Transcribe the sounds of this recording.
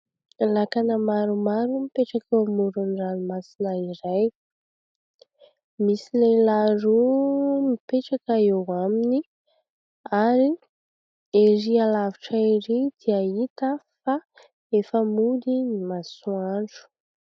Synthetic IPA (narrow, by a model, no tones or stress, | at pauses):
lakanəmaɾumaɾumipeʈ͡ʂakemuɾunranimasinaiɾaj | misilelaɾumipeʈ͡ʂakəewamini | aɾi | eɾialaviʈ͡ʂaiɾid̪̥iait̪əfa | efəmud̪inimasuaɳɖ͡ʐu̥